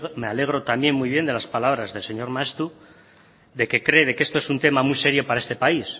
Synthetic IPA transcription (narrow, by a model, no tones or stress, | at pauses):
meale̞ɣ̞ɾo̞t̪amje̞nmujβ̞je̞nd̪e̞laspalaβɾazðe̞lse̞ɲo̞ɾmaest̪u | ðe̞ke̞kɾe̞ðe̞ke̞st̪oe̞sunt̪e̞mamujse̞ɾjo̞paɾaest̪e̞pais